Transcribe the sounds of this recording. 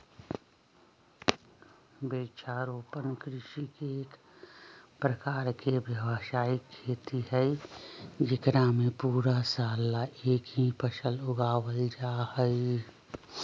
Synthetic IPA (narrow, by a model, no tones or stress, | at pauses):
beːt͡ʃʰaːɾoːpənkɾɪʃikeːk | pɾəkaːɾkebjəʋəsaːikʰːeːt̪iɦɛɪ | d͡ʒɪkɾamẽpuːɾasaːlːaʔeːkɦĩpəʃəlʊɡaːwəld͡ʒahɛɪ